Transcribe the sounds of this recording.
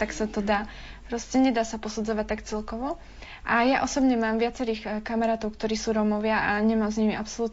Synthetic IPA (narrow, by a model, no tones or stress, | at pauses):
t̪aksat̪ɔd̪aː | pɾɔscɛɲɛd̪aːsapɔsud͡zɔʋac̚t̪akt͡sɛlkɔʋɔ | ʔajaʔɔsɔbɲɛmaːmʋɪat͡sɛɾiːxkamaɾaːt̪ɔʊkt̪ɔɾiːsuːɾɔmɔʋɪaʔaɲɛmaːmzɲimiʔapsɔluːt̪